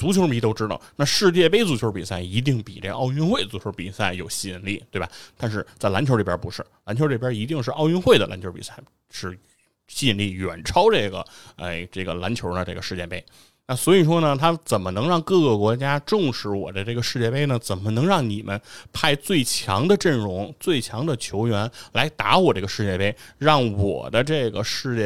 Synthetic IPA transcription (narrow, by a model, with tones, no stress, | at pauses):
t͡su˧˥t͡ɕʰjo˧˥ʊ˥pi˧˥t̪o˥ʊʈ͡ʂɻ̩˥t̪ɑ̰˥˧˩ʊna˥˧ʂɻ̩˥˧t͡ɕjɛ˥˧pe˥ɪt͡su˧˥t͡ɕʰjo˧˥pi˨˩sa˥˩ɪi˧˥t̪̬i˥˩ŋpḭ˨˩ʈ͡ʂe˥˧˩ɡə̰˧ɑ˥˧ʊy˥˧nxwe˥˩ɪt͡su˧˥t͡ɕʰjo˧˥pḭ˨˩sa˥˩ɪjo˨˩ʊɕi˥˧ə˧˥nli˥˩t̪we˥˩ɪba̰˨˩t̪a˥˧nʂ̬ɻ̩˥˧t͡sa˥˩ɪla˧˥nt͡ɕʰjʈ͡ʂbʲjɛ̰˧˥pṵ˧˥ʂɻ̩˥˩la˧˥nt͡ɕʰjʈ͡ʂpjɛ˥i˧˥t̪i˥˧ŋʂ̬ɻ̩˥˧ʔɑ˥˧ʊy˥˧nxwe˥˩d̪ə˩la̰˧˥nt͡ɕʰo˧˥pḭ˨˩sa˥˩ɪ | ʂɻ̩˥˩ | ɕi˥˧˥nli˥˩ɥɛ̰˨˩nʈ͡ʂʰɑ˥ʊʈ͡ʂɤ˥˩ɡə̰˩ḛ˥˩ɪʈ͡ʂɤ˥˩ɡə˩la˧˥nt͡ɕʰjo˧˥d̪ə˧ʈ͡ʂɤ˥˩ɡə˩ʂɻ̩˥˧t͡ɕjɛ˥˧˩pe˥ɪ | na˥˩swɔ˧˥i˨˩ʂwɔ˥nə˨t̪ʰa˥t͡sə˨˩nmə˦nɤ˧˥ŋɻɑ˥˧ŋkɤ˥˩ɡə˩kwɔ˧˥t͡ɕja˥ʈ͡ʂʊ˥˧ŋʂɻ̩˧˥wɔ̰˨˩d̪ə˦ʈ͡ʂɤ˥˩ɡə˩ʂɻ̩˥˧t͡ɕjɛ˥˧pe˥˩ɪnə˩t͡sə˨˩nmə˦nɤ˧˥ŋɻɑ˥˩ŋni˨˩mʔə̰˦npʰa˥˧ɪt͡swe˥˩ɪt͡ɕʰjɑ̰˧˥ŋd̪ə˧ʈ͡ʂə˥˩nɻʊ˧˥ŋt͡swe˥˩ɪt͡ɕʰjɑ˧˥ŋd̪ə˧t͡ɕʰjo˧˥ʊɥɛ˧˥nla˧˥ɪt̪a̰˧˥wɔ˨˩ʈ͡ʂɤ˥˩ɡə˩ʂɻ̩˥˧t͡ɕjɛ˥˧pe˥˩ɪɻɑ˥˩ŋwɔ̰˨˩d̪ə˦ʈ͡ʂɤ˥˩ɡə˩ʂɻ̩˥˧t͡ɕjɛ˥˩